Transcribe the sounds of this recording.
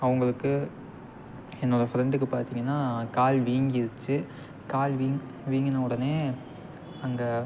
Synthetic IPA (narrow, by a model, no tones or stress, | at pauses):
ɐʋɐŋɡɐɭɯkːɯ | ɛnːɔɽɐfɪɾɛɳɖɯkːɯpaːɾt̪iːŋɡɐnːaːkaːlʋiːŋɡɪɾɯt͡ʃːɯ | kaːlʋiː | ʋiːŋɡɐnɐʊɽɐneː | ɐŋɡɐ